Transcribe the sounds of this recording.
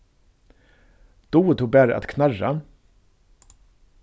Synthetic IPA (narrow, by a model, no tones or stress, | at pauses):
d̪̥uːt̪ʰuːbæɾa̰t̪kʰnara̰